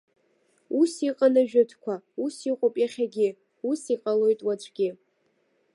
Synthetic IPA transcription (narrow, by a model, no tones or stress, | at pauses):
usiqʼanaʒᶣɨtʰkʷʰausiqʷʼopʼjaχʲaɡʲɪ | usiqʼalo̞jtʼwat͡ʃʷʰʼɡʲɪ